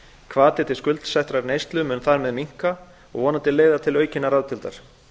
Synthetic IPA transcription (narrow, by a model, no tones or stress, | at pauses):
kʰvaːt̪ɛt̪ɪskʏlt̪sɛht̪ɾaɾnejst̪lʏmʏnθaɾmɛðmiŋ̥ka | ɔ̰ɣvɔːnat̪ɪleːjðat̪ʰɪlœːɥcɪnːaɾaðt̪ʰɪlt̪a̰ɾ̥